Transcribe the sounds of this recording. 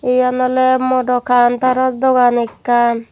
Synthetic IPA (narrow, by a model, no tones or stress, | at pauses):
ejanɔlemɔʈɔkʰant̪aɾɔd̪ɔɡanekːan